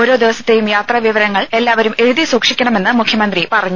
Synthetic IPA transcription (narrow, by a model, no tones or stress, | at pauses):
o̞ːɾo̞ːd̪iʋɐsɐt̪ːe̞jumjaːt̪rɐʋiʋɐɾɐŋːɐɭe̞lːaːʋɐɾume̞ɻuðisuːkʂikʲːɐɳɐme̞nːɨmukʰjɐmɐnd̪ripɐrɐɲːu